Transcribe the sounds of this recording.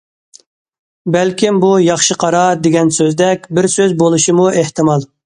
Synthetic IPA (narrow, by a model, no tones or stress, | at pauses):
bɛlkʲɪmbujɑχʃɨqʰɑɾɑd̪eɡʲɛnsøzd̪ɛkʲbɪɾsøzbolˠuʃimueht̪ʰɨmɑlˠ